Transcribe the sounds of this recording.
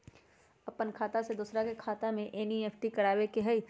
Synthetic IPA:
ɐpənkʰaːt̪ased̪uːsɾakekʰaːt̪amẽʔeːnieːfʰʈikɐɽaːwekeɦɐi

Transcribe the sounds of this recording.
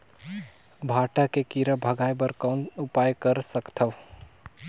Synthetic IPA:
bʱaʈakekiɾəbʱəɡʱaːjbəɾkɔːnʊpajkəɾsəkt̪ʰəʋ

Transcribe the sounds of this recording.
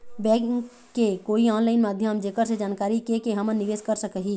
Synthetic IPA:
bɛ̃ː | kːekoːiãːnlaːɪnmaːd̪ʱjəmd͡ʒeːkəɾsed͡ʒaːnkaːɾikekeɦɐmənɪʋeːskəɾsəkəɦiː

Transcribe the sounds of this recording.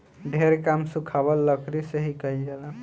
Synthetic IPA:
ɖʱeɾkamsukʰabəlːəkɾiseɦikəid͡ʒɛla

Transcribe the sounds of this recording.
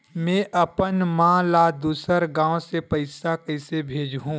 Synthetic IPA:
mẽʔɐpənmãlad̪uːsəɾɡãːõsepɐɪsakɐɪsebʱeːd͡ʒɦũː

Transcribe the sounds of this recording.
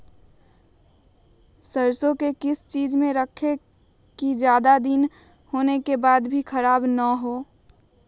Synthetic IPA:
səɾsõkekɪst͡ʃiːd͡ʒmẽɾəkʰːe | kid͡ʒjaːd̪ad̪in | hoːnekebaːd̪bʱikʰəɾaːbnəɦoː

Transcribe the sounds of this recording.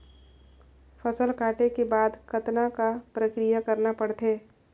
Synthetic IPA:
fɐsəlkaːʈekebaːd̪kɐt̪nakapɾəkɾijakɐɾnapɐɽt̪eː

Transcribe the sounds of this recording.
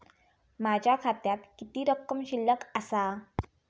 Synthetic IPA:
mad͡ʑʱjakʰat̪jat̪kit̪iːɾəkːəmɕilːəkasa

